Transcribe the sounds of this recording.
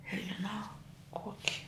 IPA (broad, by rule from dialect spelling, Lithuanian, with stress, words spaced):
nʲɛʒʲɪˈnɐʊ ˈkoːkʲɪ